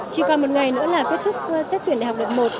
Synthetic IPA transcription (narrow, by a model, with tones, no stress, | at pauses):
t͡ɕi˧kɔ˨˩mo˨˩t̚ŋa˨˩jnɨ̰˧˥əlaː˨˩ki˦˥t̚t̪ʰʊ˦˥k͡p̚sɛ˦˥t̪̚wi˧˩ənɗhk͡p̚ɗə˨˩p̚mo˨˩t̚